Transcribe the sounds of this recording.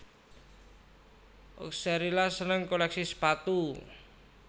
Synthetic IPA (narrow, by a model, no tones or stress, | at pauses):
ʔo̰ksɛɾilasənəŋkolɛksisə̥pat̪u